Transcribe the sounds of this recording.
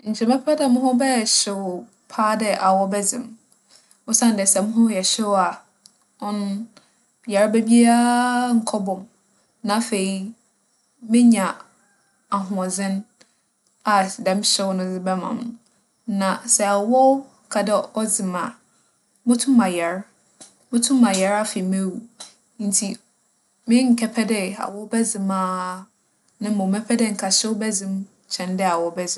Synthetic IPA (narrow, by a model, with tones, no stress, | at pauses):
ɲ̩˨t͡ɕʰɛ˨mɛ̃˦ppʰa˦dɛ˨mʊ̃˦ɦɔ̃˦bɛ˦˨ɕɪ˨ | pʰaː˦dɛ˦ʔa˨wɔ˦bɛ˦d͡zɪ̰̃˨m | ɔ˦sã˦n˨dɛ˨sɛ˨mʊ̃˦ɦʊ̃˦jɛ˨ɕɪ˦wa˨ | ɔ̃˦n˦ | jɛ˨ɾa˦bæ˦bi˦a˦ŋ̩˨kʰɔ˦bɔ̃˨m | nã˨˦fe˨i˦ | mɪ̃˦ɲã˨ | a˨ɦʊ̃˨ɔ˨d͡zɪ̃˦n | a˨dɛ̃˦m˦ɕɛ˦wnʊ̃˦d͡zɪ˦bɛ˦mã̰˨m˨ | nã˨sɛ˨a˨wɔ˦ | kʰa˨dɛ˦ɔ˦d͡zɪ˨mã˨ | mʊ̃˦tʰʊ̃˦mã˨jɛ˨ɾ | mʊ̃˦tʰʊ̃˦mã˨jɛ˨˦ɾa˦fe˨i˨mẽ˦wu˨ | n̩˨tʰi˨ | mɪ̃˦ŋ̩˨kʰɛ˨pʰɛ˦dɪ˦a̰˨wɔ˦bɛ˦d͡zɪ̃˨mãː˦ | nɪ̃˦mɔ̃˨mɛ˦pʰɛ˦dɪ˦ŋ̩˨kʰa˨ɕɛ˦wbɛ˦d͡zɪ̃˦m | t͡ɕʰɛ̃˨ndɪ˦a˨wɔ˦bɛ˦d͡zɪ̃˨˦